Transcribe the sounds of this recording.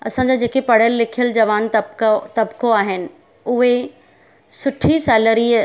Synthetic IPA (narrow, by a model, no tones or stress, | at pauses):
ɐ̰sãɲd͡ʑod͡ʑeːkepɐɽ̤jəlːɪkʰijəld͡ʑɐʋaːnt̪t̪ɐbkoaːɦɪnɪ̆ | ʊɦe | sʊʈʰisɛːləɾiː